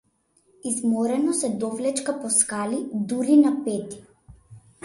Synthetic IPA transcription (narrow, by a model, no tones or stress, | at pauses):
izmɔɾɛnɔsɛd̪ɔflɛt͡ʃkapɔskalid̪uɾinapɛt̪i̥